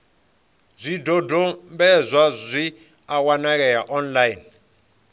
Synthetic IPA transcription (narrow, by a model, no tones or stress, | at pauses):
zʷidɔdʱɔmbɛzʷazʷi | awanak̬ʼɛjaʔɔnlain